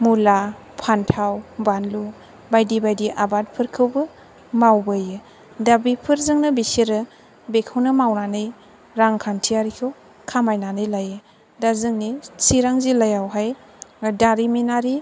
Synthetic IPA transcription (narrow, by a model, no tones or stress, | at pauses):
mula | pʰantʰawbanlu | bajdibajdiʔabat̚pʰɯɾkʰɯwbɯ | mawbɯjɯ | dabipʰɯɾzɯŋnɯbisiɾɯ | bekʰɯwnɯmawnanɯj | ɾaŋkʰantʰijaɾikʰɯw | kʰamajnanɯjlajɯ | dazɯŋnisiɾaŋzilajawɦaj | daɾiminaɾi